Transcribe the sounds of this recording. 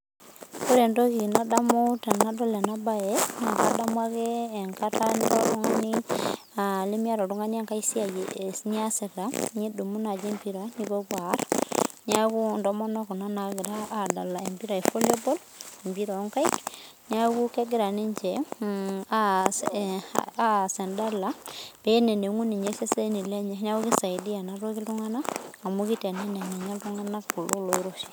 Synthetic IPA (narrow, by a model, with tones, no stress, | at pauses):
ko˦ɾe˨ndo˦ɣi˨na˦da˦mu˦te˨na˦do˦le˨naba˦ena˨ka˨da˦m˦a˦ɣeː˦˨ŋkataniɾo˦ɾu˦ŋa˦ni˦ | ale˦mi˦a˦ɾɔ˨ɾu˦ŋa˦ni˦e˦ŋka˦isi˦a˨jeni˦a˦se˨ɾa˦ɲi˦du˨mu˦na˨d͡ʒe˦mpi˦ɾa˨ni˦ko˦βwa˨ɾna˦ku˦ndɔ˦mɔ˦nɔ˦ko˨na˦na˨ɣɪ˨ɾaː˦˨da˨la˨e˨mbi˦ɾa˨e˨fo˦li˦o˦bo˦l | e˨mbi˦ɾa˨˦ŋka˦i˦k | ni˦a˦ku˦ke˦ɡɪ˦ɾa˨ni˦ɲt͡ʃɛ˨ | a | a˦sɛ˨nda˦la˦b̥e˨˦ne˨ne˨ŋu˦ni˨ɲe˦se˦se˦ni˨le˦ɲɛ˦n˦a˦u˦ki˦sa˨i˨di˦a˨na˦ɾo˦ki˦ltu˦ŋa˦naː˦˨mu˦ki˦tɛ˨nɛ˦na˨ni˨ɲa˦ltu˦ŋa˦na˦kku˨lo˦lo˨i˦ɾo˦ʃi̥˨